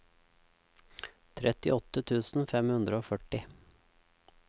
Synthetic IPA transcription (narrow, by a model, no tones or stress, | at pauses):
t̪ʰɾɛt̪ɪ̰ʔɔt̪ət̪ʰʉːsn̩fɛmhʉnd̪ɾəoːfœʈɪ